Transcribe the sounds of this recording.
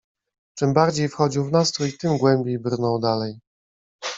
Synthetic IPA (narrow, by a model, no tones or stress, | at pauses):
t͡ʂɘmbaɾd͡ʑejfxɔd͡ʑiwvnast̪ɾuit̪ɘmɡwɛmbʲjejbɾnɔwd̪alɛj